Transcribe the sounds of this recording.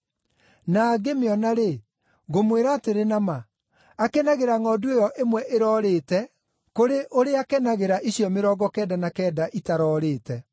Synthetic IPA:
naːɡemeɔnaɾe | ɣomweɾaːteɾenama | akɛnaɣeɾaŋɔduejɔʔemwɛʔeɾɔːɾeːtɛ | koɾeʔoɾeakɛnaɣeɾaʔiɕjɔmeɾɔːɡɔkɛːdanakɛːdaʔitaɾɔːɾeːtɛ

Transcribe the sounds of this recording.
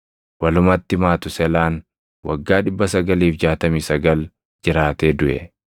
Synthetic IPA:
wɐlʊmɐt̪ːɪmaːt̪ʊsɛlaːn | wɐ̰ɡːaːᶑɪbːɐsɐɡɐliːfd͡ʒaːt̪ɐmiːsɐɡɐl | d͡ʒɪɾaːt̪eːd̪ʊʔɛ̰

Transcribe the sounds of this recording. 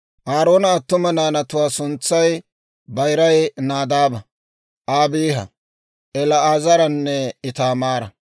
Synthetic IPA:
ʔaːɾoːnɐːt̪ːʊmɐnaːnɐt̪ʊwaːsʊnt͡sːɐj | bɐjɾɐjnaːd̪aːbɐ | ʔaːbiːhɐ̰ | ʔɛlɐaːzɐɾɐnːɛɪt̪aːmaːɾɐ

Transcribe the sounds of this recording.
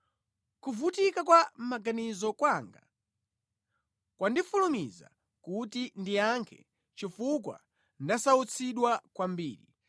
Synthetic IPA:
kuvutikakwam̩maɡanizɔkwaŋɡa | kwandifulumiza̰ | kutindijaŋkʰɛ̰ | t͡ʃifukwa̰ | ndasaut͡sʰiɗwakwambiːɾi

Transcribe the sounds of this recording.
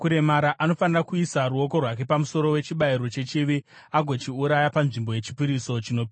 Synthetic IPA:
kuɾe̞maɾaʔano̞fanirakuisaɾuo̞ko̞rwake̞pamuso̞ɾo̞we̞t͡ʃiɓaiɾo̞t͡ʃe̞t͡ʃiʋi | aɡʱo̞t͡ʃiuɾajapanʐimbo̞je̞t͡ʃipiɾiso̞t͡ʃino̞pi

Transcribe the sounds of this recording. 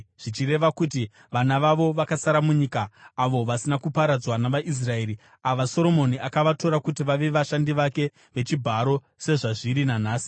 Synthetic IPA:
ʐ̥it͡ʃire̞ʋakuti | ʋanaʋaʋo̞ʋakasaɾamuɲiːkaːʋo̞ʋasinakupaɾad͡zwanaʋaʔis̬rae̞ːɾi | aʋaso̞ɾo̞mo̞niʔakaʋato̞ɾakutiʋaʋe̞ʋaʃandiʋake̞ | ʋe̞t͡ʃibʱaɾo̞ | se̞ʐaʐiɾinanaːsi̥

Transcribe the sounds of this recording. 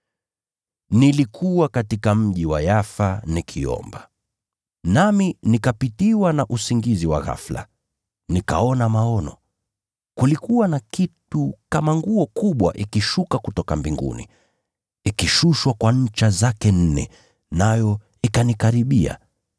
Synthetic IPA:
nilikʰuwakatikam̩ʄiwa̰jafanikʰiɔ̰mba | naminikapitiwanaʔusiŋɡiziwa̰ɣa̰fla̰ | nika̰ɔnamaɔnɔ | kulikuwanakitukamaŋɡuɔkuɓwaʔikiʃukakutɔkambiŋɡṵnḭ | ikiʃuʃwakwaɲ̩t͡ʃazakɛn̩nɛ̰ | najɔ | ikanikaɾiɓia̰

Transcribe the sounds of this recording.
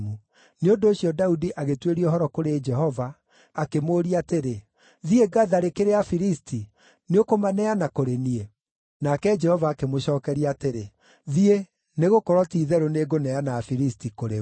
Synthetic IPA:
mu | neondoːɕiɔdaudiʔaɣetweɾiɔɦɔɾɔkoɾed͡ʒɛhɔvaː | kemoːɾiateɾe | ðieɡaðaɾekeɾeafiɾistʰi | neokomanɛanakoɾenie | nakɛd͡ʒɛhɔvaːkemoɕɔːkɛɾiateɾe | ðie | neɣokɔɾɔtiːðɛɾoneɡonɛanaːfiɾistikoɾe

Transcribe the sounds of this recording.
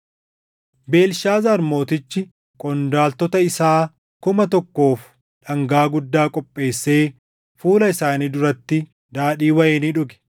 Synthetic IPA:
be̞ːlʃaːzɐɾmo̞ːt̪ɪt͡ʃːɪ | kʼɔnd̪aːlt̪ɔt̪ɐɪsaː | kʊmɐt̪ɔkːo̞ːf | ᶑɐŋɡaːɡʊd̪ːaːkʼɔpʼːe̞ːsːe̞ː | fuːlɐɪsaːniːd̪ʊɾɐt̪ːɪ | d̪aːᶑiːwɐjeːniᶑʊɡɛ̥

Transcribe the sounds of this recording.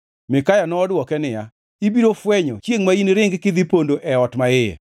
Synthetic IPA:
mɪkajanɔːdwɔkɛnɪja̰ | ibiɾofwɛɲɔ̰t͡ʃjeŋmainɾɪŋɡkɪd̪ipondoʔɛɔtmaɪɛ̰

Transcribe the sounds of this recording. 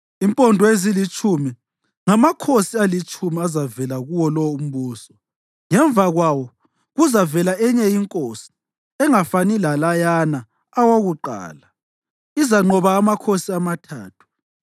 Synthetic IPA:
impʼɔndʱɔezilit͡ʃʼumi | ŋamakʰosialit͡ʃʼumiazavɛlaɣuwɔlɔwum̩βuːsɔ | ŋɛɱvaɣwawɔ | ɣuzavɛlaɛɲɛjiŋkʼosi̥ | ɛŋafanilalajanaː | woɣuǃa̰ːla | izaŋ͡ǃɔβaːmakʰosiamatʰa̰ːtʰu̥

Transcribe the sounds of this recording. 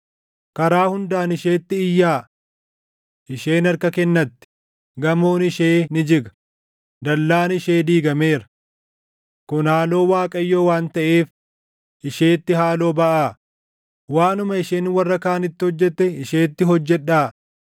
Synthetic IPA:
kɐɾaːhʊnd̪aːnɪʃeːt̪ːɪɪjːaː | ʔɪʃe̞ːnɐɾkɐkɛnːɐt̪ːɪ̥ | ɡɐmoːnɪʃeːnɪd͡ʒɪɡɐ̥ | d̪ɐlːaːnɪʃeːd̪iːɡɐme̞ːɾɐ̥ | kʊnhaːlo̞ːwaːkʼɐjːoːwaːnt̪ɐʔeːf | ʔɪʃeːt̪ːɪɦaːlo̞ːbɐʔaː | waːnʊmɐɪʃeːnwɐrːɐkaːnɪt̪ːɪhɔd͡ʒːɛt̪ːɛɪʃeːt̪ːɪɦɔd͡ʒːɛᶑːaː

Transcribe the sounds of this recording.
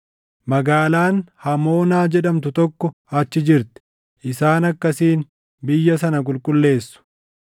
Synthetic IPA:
mɐɡaːlaːnhɐmo̞ːnaːd͡ʒɛᶑɐmt̪ʊt̪ɔkːɔ | ɐt͡ʃːɪd͡ʒɪɾt̪ɪ̥ | ʔɪsaːnɐkːɐsiːn | bɪjːɐs̬ɐnɐk̬ʼʊlkʼʊlːe̞ːsːʊ̥

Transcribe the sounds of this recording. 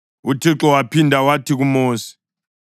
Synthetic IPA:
utʰiǁɔwapʰindʱawatʰiɣumoːsi̥

